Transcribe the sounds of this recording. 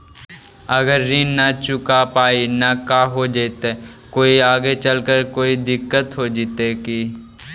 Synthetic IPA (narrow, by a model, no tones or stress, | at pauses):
ɐɡəɾːiːnnɐt͡ʃʊkapaːinɐkaːɦod͡ʒet̪e | koːiaːɡet͡ʃəlkəɾkoːid̪ɪkːət̪ɦod͡ʒɪt̪eki